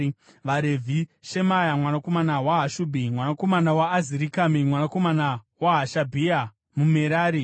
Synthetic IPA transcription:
ʋaɾevʱiʃe̞majamwanako̞manawaɦaʃubʱimwanako̞manawaːziɾikamimwanako̞mana | waɦaʃabʱia | mumeɾaːɾi

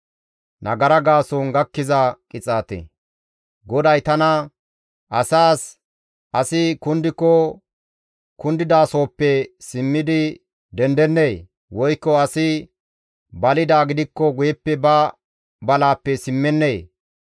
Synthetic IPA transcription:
nʔɐ̰ɡɐɾɐɡaːsoːnɡɐkːɪzɐkʼɪt͡sʼaːt̪ḛ | ɡɔd̪ɐjt̪ɐnɐ | ʔɐsaːs | ʔɐsɪkʊnd̪ɪkːɔ | kʊnd̪ɪd̪aːso̞ːpːɛsɪmːɪd̪ɪ | d̪ɛnd̪ɛnːeː | wɔjkːɔɐsɪ | bɐlɪd̪aːɡɪd̪ɪkːɔɡʊjɛpːɛbɐ | bɐlaːpːɛsɪmːɛnːeː

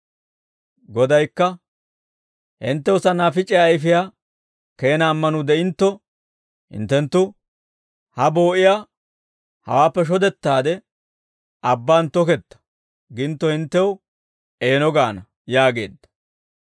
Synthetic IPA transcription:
ɡɔd̪ɐjkːɐ | hɪ̰nt̪ːɛwʊsɐnaːfɪt͡ʃʼːɪjaːjf̬ɪjaː | ke̞ːnaːmːɐnʊd̪ɛɪnt̪ːɔ | hɪ̰nt̪ːɛnt̪ːʊ | hɐbo̞ːʔɪjaː | hɐ̰waːpːɛʃ̬ɔd̪ɛt̪ːaːd̪ɛ | ʔɐbːaːnt̪ɔkɛt̪ːɐ̥ | ɡɪnt̪ːɔhɪnt̪ːɛw | ʔe̞ːnɔɡaːnɐ | jaːɡe̞̰ːd̪ːɐ̥

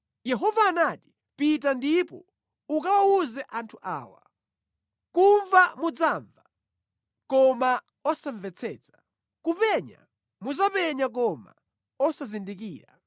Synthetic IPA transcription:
jɛɦɔvaːnati̥ | pit̬andipɔ̰ | ukawawuzɛʔantʰuʔa̰ːwa̰ | kuɱvamud͡zaɱva | kɔma | ɔsaɱvɛt͡sʰɛːt͡sḁ | kupɛɲa̰ | muzapɛɲak̬ɔma̰ | ɔsazindikiːɾa̰

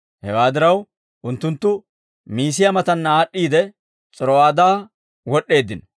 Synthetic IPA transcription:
hɛ̰waːd̪ɪɾɐw | ʔʊnt̪ːʊnt̪ːʊ | miːsɪjɐmɐt̪ɐnːɐaːɗːiːd̪ɛ | t͡sʼɔɾɔwaːd̪aː | wɔɗːe̞ːd̪ːɪn

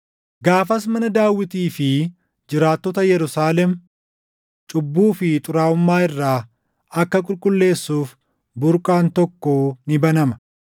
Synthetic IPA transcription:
ɡaːfɐs̬mɐnɐd̪aːwːɪt̪iːfɪ | d͡ʒɪɾaːt̪ːɔt̪ɐjɛɾʊsaːlɛm | t͡ʃʼʊbːuːfɪt̪ʼʊɾaːʊmːaːɪrːaː | ɐkːɐkʼʊlkʼʊlːe̞ːsːuːf | bʊɾkʼaːnt̪ɔkːoːnɪbɐnɐmɐ̥

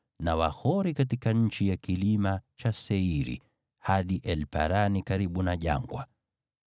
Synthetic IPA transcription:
nawahɔɾikatikaɲ̩t͡ʃijakilimat͡ʃasɛiɾḭ | haɗiʔɛlpa̰ɾanikaɾiɓunaʄa̰ŋɡwa

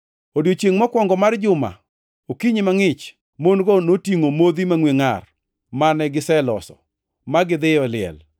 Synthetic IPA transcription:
odjot͡ʃjeŋmakwɔŋɡɔmard͡ʒʊma̰ | okiɲemaŋɪt͡ʃ | monɡɔnotiŋomod̪imaŋweŋar | manɛɡɪsɛlɔsɔ̰ | maɡɪd̪ɪjɔlɪɛ̰l

